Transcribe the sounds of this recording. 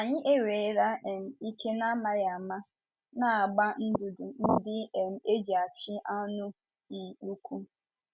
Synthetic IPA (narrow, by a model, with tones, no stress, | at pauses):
a˨ɲɪ˦ʔe˦ɾe˨˦ɾa˦ɛ˨m̩˨i˦ke˦na˦ma˨ɾɪ˨a˨ma˦ | na˦a˨ɡ͡ba˦n̩˦dʊ˨dʊ˨n̩˦dɪ˦˨m̩˨˦e˦d͡ʒe˨a˨t͡ʃɪ˦ʔa˦nʊ˦ | n̩˨k͡pu˦kʰʷu˦